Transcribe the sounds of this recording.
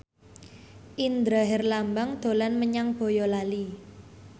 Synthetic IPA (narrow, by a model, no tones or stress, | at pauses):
ʔind̪ɾaɦɛrlambaŋd̪̥o̤lanməɲaŋb̥o̤jɔlali